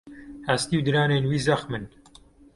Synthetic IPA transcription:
hast̪iːwd̪ɨɾaːneːnwiːzɐxmɨn

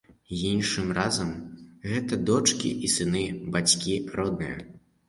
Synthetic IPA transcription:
jinʂɨmrazɐmɣɛt̪ɐd̪ɔt͡ʂkʲḭʔisɨnɨbat͡sʲkʲirɔd̪nɨjɐ̰

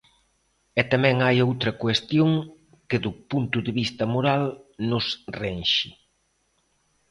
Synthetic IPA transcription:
ɛt̪amɛ̃ŋajowt̪ɾɐkwest̪joŋ | kɪðʊpunt̪ʊðɪβist̪ɐmoɾalnʊsrenʃɪ

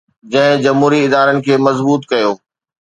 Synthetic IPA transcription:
d͡ʑɐ̃ɦɪ̃d͡ʑɐmɦuːɾiɪd̪aːɾənɪ̆kʰeːmɐzbuːt̪kɐjoː

